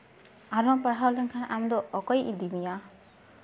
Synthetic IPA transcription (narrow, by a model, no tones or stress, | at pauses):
aɾɔmpaɽɦawlɛŋkʰanʔamd̪ɔːkɔjʔid̪imija